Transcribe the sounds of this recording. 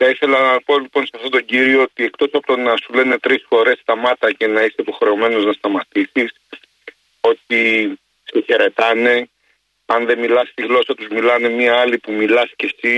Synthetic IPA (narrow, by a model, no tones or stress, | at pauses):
θɐiθe̞lɐnɐpo̞lipo̞nsɐft̪o̞t̪o̞ɟiɾio̞ot̪iek̚t̪o̞sɐpot̪onɐsule̞ne̞t̪ɾisfo̞ɾe̞st̪ɐmɐt̪ɐce̞nɐiseipo̞xɾe̞o̞me̞no̞znɐst̪ɐmɐt̪isis | o̞t̪i | siçe̞ɾe̞t̪ɐne̞ | ɐnðe̞milɐst̪iɣlo̞sɐt̪uzmilɐne̞mɲiɐɐlipumilɐsce̞si